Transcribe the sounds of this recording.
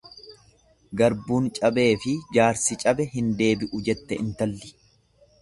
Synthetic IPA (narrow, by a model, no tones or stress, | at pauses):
ɡɐɾbuːnt͡ʃʼɐbe̞ːfɪd͡ʒaːɾsɪt͡ʃʼɐbɛɦɪnd̪e̞ːbɪʔʊd͡ʒɛt̪ːɛɪnt̪ɐlːɪ̥